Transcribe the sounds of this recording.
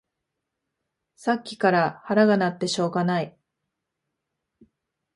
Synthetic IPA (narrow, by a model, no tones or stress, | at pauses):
sakʲːi̥kaɾahaɾaɡanat̪ːe̞ɕo̞ːɡanai